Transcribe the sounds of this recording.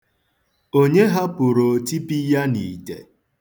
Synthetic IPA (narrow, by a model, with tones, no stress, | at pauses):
o˦ɲe˦ɦa˦pʊ˨ɾo˨ti˦pi˦ja˦niː˨dḛ˨